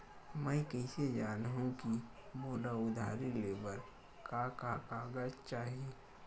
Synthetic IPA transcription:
mɛ̃ɪkɛ̃ɪsed͡ʒaːnɦũkimoːlaʊd̪ʱa̰ːɾileːʋəɾ | kakakaːɡad͡ʒt͡ʃaːɦieː

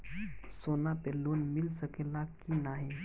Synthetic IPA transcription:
soːnapeloːnmɪlsəkelakinaɦĩ

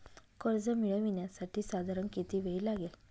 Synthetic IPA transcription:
koɾd͡zəmiɭəʋinjasaʈiːsad̪ʱaɾənkit̪iʋejlaɡel

